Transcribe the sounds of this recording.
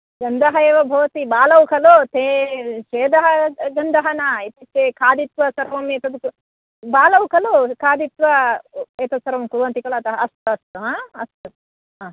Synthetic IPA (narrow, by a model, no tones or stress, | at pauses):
ɡɐnd̪ʱɐɦɐeːʋɐbʱɐːɐt̪ibaːlɐwukʰɐloːt̪ʰeːʃeːd̪ɐɦɐɡɐnd̪ʱɐɦɐnɐit̪it̪ːeːkʰaːd̪it̪ʋɐsɐɾʋɐmeːt̪ɐd̪uku | baːlɐwukʰɐlokʰaːd̪it̪ʋɐeːt̪ɐsɐɾɐʋɐmkuʋɐnt̪ikɐɭɐt̪ɐɦɐɐst̪uɐst̪uɦaːɐst̪u | aː